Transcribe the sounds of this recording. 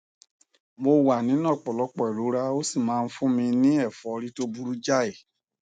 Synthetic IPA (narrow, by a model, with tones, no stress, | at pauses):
mo˧wa˨nĩ˨˦nãː˦˨k͡pɔ˨lɔ˨˦k͡pɔ˨ɛ˨ɾu˨˦ɾa˦o˦si˦˨mãː˨˦˧n̩˦fũ˦mĩ˧nĩ˦ɛ˦˨fɔ˨˧ɾi˦to˦bu˦ɾu˦d͡ʒa˦˨e˨